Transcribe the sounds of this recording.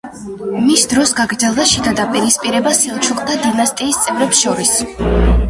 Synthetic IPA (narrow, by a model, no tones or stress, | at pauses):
misd̪ɾɔsɡaɡɾd̪zɛlˠd̪aʃid̪ad̪apʼiɾispʼiɾɛbasilˠt͡ʃʰuχʼd̪ad̪inast̪ʼiːst̪sʼɛvɾɛpsʃɔɾis